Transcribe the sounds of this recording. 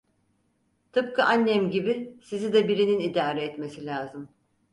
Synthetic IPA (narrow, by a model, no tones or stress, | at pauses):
t̪ʰɯp̚kʰaʔanːɛmɟibisizid̪ɛbiɾininid̪aːɾɛːt̪me̞silʲaːzɯm